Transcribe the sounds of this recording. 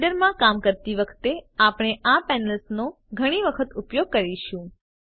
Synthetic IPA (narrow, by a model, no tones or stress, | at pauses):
ɖəɾmãkamkəɾt̪iʋəkʰt̪eapɽ̃eʔapɛnəlsno | ɡʱəɽ̃iʋəkʰət̪upjoɡ̚kəɾiʃũ